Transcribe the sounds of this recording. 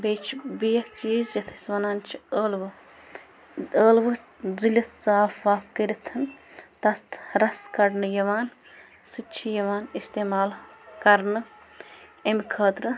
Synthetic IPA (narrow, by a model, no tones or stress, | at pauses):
beːt͡ʃʰbijɐkt͡ʃiːzjɐt̪ʰɐ̥sʲʋɐnaːnt͡ʃʰiəːlʋɨ | əːlʋɨ | zilʲɐt̪ʰsaːfʋaːfkəɾit̪ʰɐnt̪ɐst̪ɾɐskɐɽnɨjɐʋaːn | sɨt͡ʃʰijɐʋaːnist̪eːmaːlkɐɾnɨ | emʲkʰəːt̪ɾɨ